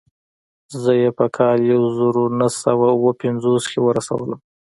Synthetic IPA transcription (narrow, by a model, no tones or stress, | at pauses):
zəjepəkʰɑljawzaɾonasawawəpɪnzoskewəɾasa̰wələm